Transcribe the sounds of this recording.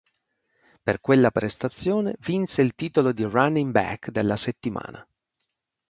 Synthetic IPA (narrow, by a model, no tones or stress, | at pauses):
perkwelːapɾʔest̪at̪sːjoːnevinseilt̪iːt̪olod̪iranimbɛ̰kd̪elːaset̪ːima̰ːna̰